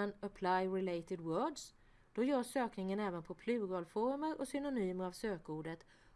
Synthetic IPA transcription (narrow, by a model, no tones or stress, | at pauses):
nəpʰlajɾɪleɪt̪ɪd̪wœːɖs | d̪̥ɔjœːʂøːknɪŋənɛːvənpʰɔpʰlʉ̟ːɾɔlfɔɾməɾɔsʏnʊnyːməɾavsøːkuːɖət̪